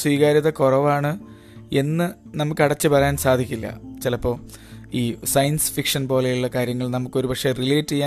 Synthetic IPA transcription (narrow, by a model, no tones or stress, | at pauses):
swiːɣaːɾiðɐkorɐʋaːɳɨ | e̞nːɨnɐmukːɐɽɐt͡ɕːɨpɐrɐjaːnsaːd̪ʱikʲːilːɐ̰t͡ɕilɐpːo̞ː | iːsɐjɐnsfikʂɐnpo̞ːlɐjuɭːɐkaːɾjɐŋːɐɭnɐmukːo̞ɾubɐkʂe̞rileːtːijaː